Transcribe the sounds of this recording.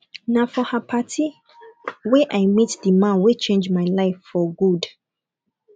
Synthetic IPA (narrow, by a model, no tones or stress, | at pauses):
nafɔhapʰatʰi | wɛʔajmitdimãnwit͡ʃẽnd͡ʒmaɪlaɪfːɔɡud